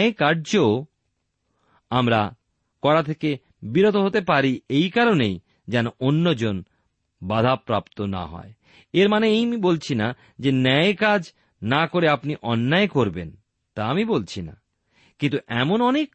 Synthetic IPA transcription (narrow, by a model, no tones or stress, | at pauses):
ekaɾd͡ʑo | amɾa̰ | kɔɾat̪ʰeke | biɾot̪oɦot̪epaɾiejkaɾonej | d͡ʑɛnoʔonːod͡ʑon | bad̪ʱapɾapt̪ona̰ɦɔ̰e | eɾmaneejmibolt͡ɕʰina | d͡ʑenɛekad͡ʑ | nakoɾeapniʔɔnːaekoɾben | t̪aamibolt͡ɕʰina̰ | kint̪uʔɛmonɔnek